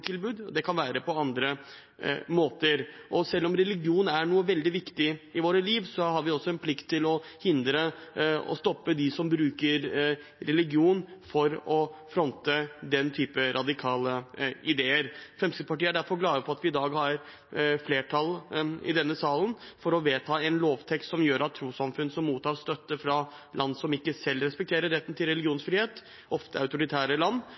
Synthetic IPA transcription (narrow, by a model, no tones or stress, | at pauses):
t̪ʰɪlbʉːd̪d̪ɛkʰɑnʋæːɾəpʰɔɑnd̪ɾə | moːt̪əɾʔɔsɛlːɔmɾɛlɪɡɪuːnæɳuːəʋɛld̪ɪʋɪkt̪ɪɪʋoːɾəliːʋsɔhɑɾʋɪɔsːɔɛnpʰlɪkt̪ʰːɪlɔhɪnd̪ɾəɔ̰st̪ɔpːəd̪ɪsɔmbɾʉːkəɾɾɛlɪɡɪuːnfɔɾɔfɾɔnt̪əd̪ɛnt̪ʰyːpəɾʔɑd̪ɪkʰɑːləɪd̪eːəɾfɛmsɪpɑʈiːəæɖæɾfɔɾɡlɑːd̪əpʰɔɑt̪ʋɪɪd̪ɑːɡhɑɾ | fleːʈʰɑlɪ̰d̪ɛnːəsɑːlənfɔɾɔʋeːt̪ʰɑːɛnloːʋt̪ʰɛkst̪sɔmjøːɾʔɑt̪ʰːɾuːsɑmfʉnːsɔmːuːt̪ʰːɑːɾst̪œt̪ːəfɾɑ | lʔɑnːsɔmɪkːəsɛlːɾɛspɛk̚t̪ʰeːɾəɾːɛt̪ːn̩t̪ʰɪlɾɛlɪɡɪuːnsfɾiːeːt̪ | ʔɔft̪əɑ̰ʉt̪ʊɾɪt̪ʰæːɾəlɑnː